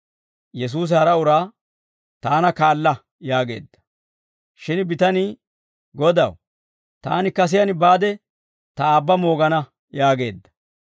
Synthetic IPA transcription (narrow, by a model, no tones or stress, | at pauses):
jɛs̬uːs̬hɐɾɐʊɾaː | t̪aːnɐkaːlːɐ | jaːɡe̞̰ːd̪ːɐ̥ | ʃɪnbɪt̪ɐniː | ɡɔd̪ɐw | t̪a̰ːnɪkɐs̬ɪjɐnbaːd̪ɛ | t̪ɐaːbːɐmo̞ːɡɐnɐ | jaːɡe̞ːd̪ːɐ̥